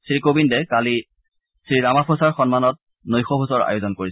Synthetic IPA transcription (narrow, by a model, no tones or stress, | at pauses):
sɹikobindɛkali | sɹiɹamapʰosaɹxɔnmanɔt̚ | nojxɔpʰusɔɹa̰jozɔnkoɹi